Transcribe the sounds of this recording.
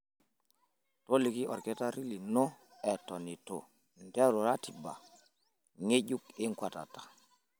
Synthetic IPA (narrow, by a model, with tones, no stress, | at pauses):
to˦li˨ki˦ʔɔ˨ɾkɛ˦ta˦ɾi˦li˨nɔ˦ | ɛ˨tɔ˨ni˨to̰˨ | n˨tɛ˦ɾo˨ɾa˦ti˨ba̰˨ | ŋe˦ɟu˦kɪ˦ŋkwa˨ta̰˨tḁ˨